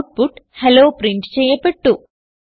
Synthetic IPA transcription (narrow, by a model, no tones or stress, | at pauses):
ʈ̚puʈheloːpɾiɳʈt͡ʃɛːjɐpɐʈːu